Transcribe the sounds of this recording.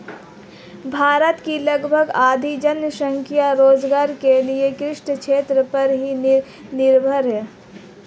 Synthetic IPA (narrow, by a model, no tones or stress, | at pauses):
bʱaːɾət̪kilɐɡbʱəɡaːd̪ʱid͡ʒənʃə̃ŋkʰijaɾoːzɡaːɾkeliekɾɪʃɳəkʃʰeːt̪ɾəpɐɾɦi | nɪɾbʱəɾɦɛː